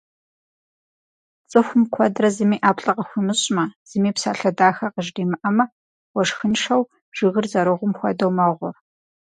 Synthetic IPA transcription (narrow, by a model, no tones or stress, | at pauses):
t͡sʼɨxʷʊmkʷʰɔdrɐzɨmiːʔaːpɬʼɐqɐxʷimɨɕʼmɐz̥ɨmiːpsaːɬɐdaːxɐqəʒdiːmɨʔɐmɐ | wɐʂxɨnʂɐw | ʒ̥iʁərzɐɾɨʁʷʊmxʷɔ̰dɐwmɐʁʷʊ